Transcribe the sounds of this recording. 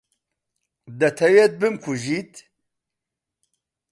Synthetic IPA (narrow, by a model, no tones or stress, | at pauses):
d̪ɐt̪ʰɐwet̪̚bɨmkʰuʒit̪